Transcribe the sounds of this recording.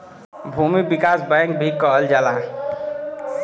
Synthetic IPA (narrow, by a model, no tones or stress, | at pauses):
bʱumibikasbajŋk̚bʱikːɔɦəld͡ʒala